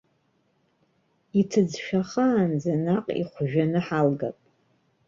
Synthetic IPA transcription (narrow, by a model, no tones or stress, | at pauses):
itʰɨd͡zʃᶣaχaːnd͡zanaqʼḭχʷʒᶣanɨħalɡa̰pʼ